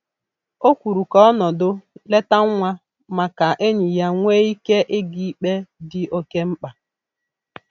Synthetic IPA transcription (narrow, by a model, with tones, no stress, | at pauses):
o˦kʷu˨ɾu˨kɔ˦ɔ˦nɔ˨dʊ˦le˦ta˦ŋʷa˦ | ma˨ka˨ʔe˦ɲi˨ja˦ŋʷe˦i˦ke˦ʔe˦ɡi˦k͡pe˦dɪ˦ʔo˦ke˦m̩˦k͡pa˨